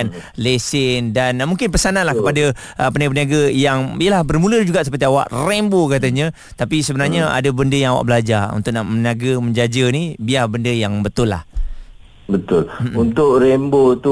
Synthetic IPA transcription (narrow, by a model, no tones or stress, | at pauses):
nlesɪndanmuŋkɪnpəsananlahkəpada | ʔəpəniaɡəpəniaɡajaŋijəlahbərmũləd͡ʒuɡaʔsəpərt̪iawa̰ʔrɛmbokat̪aɲə | t̪apisəbənarɲaa̰dəbəndəjaŋawa̰ʔbəlad͡ʒarṵnt̪ʊʔ̚naʔməniaɡəmə̃ɲd͡ʒad͡ʒənibiabəndəjaŋbət̪ʊlːa̰h | bət̪ʊlunt̪ʊʔɾɛmbot̪u